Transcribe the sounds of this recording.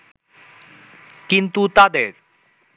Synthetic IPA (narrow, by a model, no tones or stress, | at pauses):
kint̪ut̪ad̪eɾ